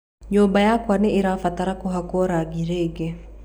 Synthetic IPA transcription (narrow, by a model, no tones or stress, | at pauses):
ɲobajakwaneʔiɾafat̪aɾakuɦakwɔɾaɡiɾeɡe